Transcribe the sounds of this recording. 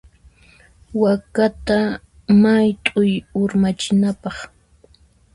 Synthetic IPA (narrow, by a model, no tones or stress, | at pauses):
wakat̪a | majt̪ʼʊjʊɾmat͡ʃɪnapɑχ